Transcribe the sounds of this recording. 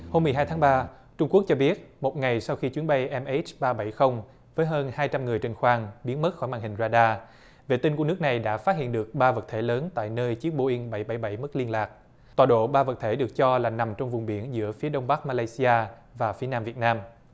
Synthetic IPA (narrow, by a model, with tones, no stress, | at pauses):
ho˧mːɨ˨˩əɦaː˧jt̪ʰaː˨˦ŋɓaː˧ | t͡ɕʊ˧ŋ͡mku˦˥k̚t͡ɕɔ˧ɓi˦˥ət̚mo˨˩t̚ŋa˨˩jsa˧wxi˧t͡ɕwi˨˦ənɓə˧jʔɛ˧mʔe˦˥t͡ɕɓaː˧ɓa˧˩jxə˧wŋ͡m | vəː˨˦jɦəː˧nhaː˧jt͡ɕa˧mŋɨ˨˩əjt͡ɕe˧nxwaː˧ŋɓi˨˦ənmə˦˥t̚xɔ˧˩jmaː˨˩ŋhï˨˩ŋ̟zaː˧ɗaː˧ | ve˨˩t̪i˧nku˧˩ən˦˥k̚na˨˩jɗa̰ː˧˥faː˦˥t̚hḭ˧˨ənɗɨ˨˩ək̚ɓaː˧və˨˩t̚t̪ʰe˧˩ləː˨˦nt̪a̰ː˧˨jnəː˧jt͡ɕi˦˥ək̚ɓo˧˩ʔi˧ŋɓə˧˩jɓa˧˩jɓa˧˩jm̚˦˥li˧ənlaː˨˩k̚ | t̪waː˨˩ɗo̰˧˨ɓaː˧və˨˩t̚t̪ʰe˧˩ɗɨ˨˩ək̚t͡ɕɔ˧laː˨˩na˨˩mt͡ɕɔ˧wŋ͡mvʊ˨˩ŋ͡mɓḭ˧˩ənzɨ̰˧˥əfi˨˦əɗə˧wŋ͡mɓa˦˥k̚maː˧laː˧jsi˧ʔaː˧ | vaː˨˩fi˨˦ənaː˧mvi˨˩ət̚naː˧m